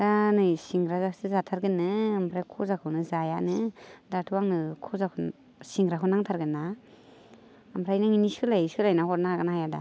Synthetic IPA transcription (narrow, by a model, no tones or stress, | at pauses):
danɯjsiŋɡɾazasɯzatʰaɾɡɯnɯɯmpʰɾajkʰɔzakʰɯwnɯzajanɯdatʰuwaŋnɯkʰɔzakʰ | siŋɡɾakʰɯnaŋtʰaɾɡɯnːa | ɯmpʰɾajnaŋinisɯlajsɯlajnahɔt̚naaɡɯnahajada̰